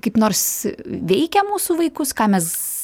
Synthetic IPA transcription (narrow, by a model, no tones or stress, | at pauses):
kɐɪpnoːɾsʋʲɛɪkʲɛmuːsuːʋɐɪkʊskɑːmʲɛs